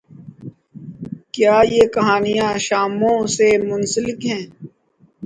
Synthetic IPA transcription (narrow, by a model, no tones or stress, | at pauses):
kjaːjeːkɐɦaːnijãːʃaːmõːsemʊnsəlɪkɦɛ̃ː